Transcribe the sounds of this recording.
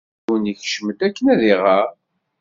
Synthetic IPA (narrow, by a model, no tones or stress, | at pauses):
əniç̥ʃmət̪ækːənæðiʁæ